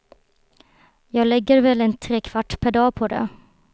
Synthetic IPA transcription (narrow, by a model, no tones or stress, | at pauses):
jɑːɡlɛɡːəɾvɛlɛnt̪ʰɾeːkʰv̥aʈːpʰæɖɑːpʰɔd̪ɛ̰